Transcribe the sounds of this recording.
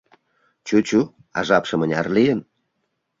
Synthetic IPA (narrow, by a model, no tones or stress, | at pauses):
t͡ɕut͡ɕu | ɑ̰ʒɑpʃə̆mənʲɑ̰rlijən